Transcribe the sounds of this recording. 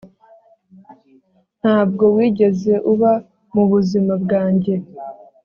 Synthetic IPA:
n̥haːb̚ɡo̞wiːɟe̞ze̞ʔuβa | muβuzimab̚ɡaːɲɟe̞

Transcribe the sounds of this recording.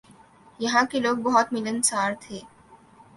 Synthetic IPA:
jɐɦãkeloːɡ̚bɐɦɔt̪mɪlənsaːɾt̪ʰeː

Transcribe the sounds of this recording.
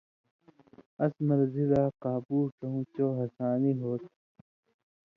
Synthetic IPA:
ɐsmɐɾzilaːkaːbuːkɐɦũːt͡ɕoːɦɐsaːniɦoːt̪̚

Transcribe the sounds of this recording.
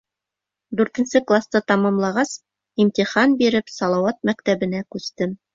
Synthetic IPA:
d̪ʉɾt̪ɘ̆nsɘklˠast̪ɤt̪ɑmɑmlˠɑʁɑs | imt̪iχɑnbiɾɘpsɑlˠɑwɑt̪̚mækt̪æβɘ̆nækʉst̪ɘm

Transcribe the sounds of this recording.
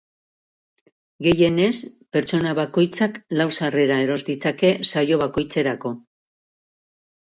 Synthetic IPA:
ɡe̞je̞ne̞spe̞ɾt͡so̞naβako̞jt͡saklawsare̞ɾae̞ɾo̞zd̪it͡sake̞sajo̞βako̞jt͡se̞ɾako̞

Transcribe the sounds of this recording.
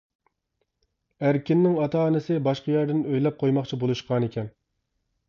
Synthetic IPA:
æɾkʲɪnːɪŋɑt̪ʰɑːnɪsɪbɑʃqɑjæɾd̪ɪnøjlɛp̚qʰojmɑχt͡ʃʰibolˠuʃqʰɑnekʲʰɛn

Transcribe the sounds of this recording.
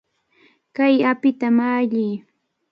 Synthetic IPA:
kajapɪt̪amaːʎɪː

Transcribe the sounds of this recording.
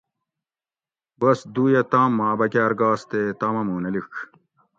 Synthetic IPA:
bɐsd̪uːjɐt̪aːmːaːbɐkaːɾɡaːst̪eːt̪aːmɐmuːnɐlik

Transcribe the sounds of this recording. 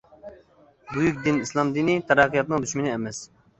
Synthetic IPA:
bujykʲd̪inislˠɑmd̪inɪt̪ʰɛɾæqʰːijɑt̪̚nɨŋd̪yʃmɪnɪɛmɛs

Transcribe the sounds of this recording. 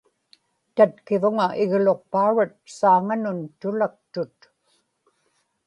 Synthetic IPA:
t̪at̪kɪvʊŋaʔɪɣlo̞q̚pauɻat̪̚saːŋanʊnt̪ʊlak̚t̪ʊt̪

